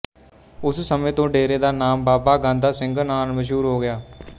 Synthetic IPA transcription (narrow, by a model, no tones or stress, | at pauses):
ʊssəmẽːt̪õːɖeːɾeːd̪aːnaːmbaːbaːɡãːnd̪aːsɪ̃ŋɡnaːnməʃ̬ɦuːɾɦoːɡɪjaː